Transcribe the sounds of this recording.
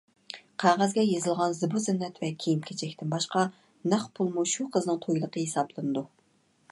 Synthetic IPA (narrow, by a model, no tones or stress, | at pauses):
qʰɑʁæzɡʲɛjezɨlˠʁɑnzɨbuzɪnːɛt̪vɛkʲʰejimkʲʰet͡ʃʰɛkʲt̪ɪnbɑʃqɑ | næχpʰulˠmuʃuqʰəznɨŋt̪ʰojlˠəqʰəɦesɑblˠɨnɨd̪u